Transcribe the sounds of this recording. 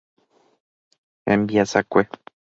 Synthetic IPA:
embiasakʷe

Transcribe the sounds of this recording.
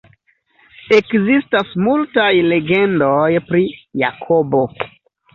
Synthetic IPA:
ekzistasmultajle̞ɡe̞ndojpɾija̰kʰobo̞

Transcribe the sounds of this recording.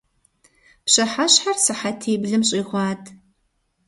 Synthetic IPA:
pɕɐħaɕħarsɨħatʰeːbɮɨmɕʼiːʁʷɑːtʰ

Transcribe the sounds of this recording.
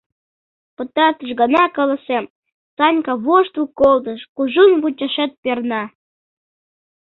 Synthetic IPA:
pɤ̆t̪ɑt̪əʃɡɤnɑkɤ̆lɤ̆sem | sɑnʲkɑβoʃt̪ukːold̪ɤ̆ʃkuʒunβut͡ɕʲeʃet̪̚pernɑ

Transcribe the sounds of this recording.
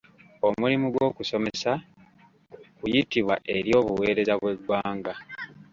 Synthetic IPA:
o̞mulimuɡwo̞ːkuso̞me̞sa | kujitiβwa̰ʔe̞ɾjo̞ːβuwe̞ːɾe̞zaβwe̞ɡwaːŋɡa

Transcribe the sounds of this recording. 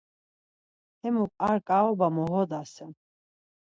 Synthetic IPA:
ɛmukʼaɾkʼaɔbamɔɦɔd̪asɛm

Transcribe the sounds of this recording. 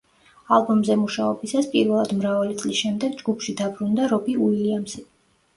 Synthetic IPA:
alˠbɔmzɛmuʃaɔbisaspʼiɾvɛlˠad̪mɾavalit̪sʼlisʃɛmd̪ɛɡd͡ʒɡupʰʃid̪abɾund̪aɾɔbiuiliamsi

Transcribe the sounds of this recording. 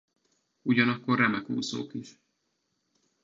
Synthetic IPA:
uɟɒnɒkːo̞rːɛmɛkhṵːzo̰ːkiʃ

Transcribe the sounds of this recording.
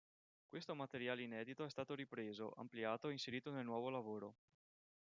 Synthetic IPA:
kwest̪omat̪eɾjaːleinɛːd̪it̪oɛst̪aːt̪oɾipɾeːzo̰ʔa̰mpliaːt̪oɛinseɾiːt̪onelnwɔːvolavoːɾo

